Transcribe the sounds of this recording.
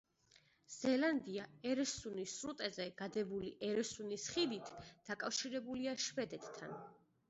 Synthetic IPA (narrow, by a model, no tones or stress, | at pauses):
z̥ɛland̪iaɛɾɛsunisɾut̪ʼɛzɛɡ̥ad̪ɛbuliʔɛɾɛsunisχid̪it̪ʰd̪̥akʼafʃiɾɛbuliaʃvɛd̪ɛt̪ːʰa̰n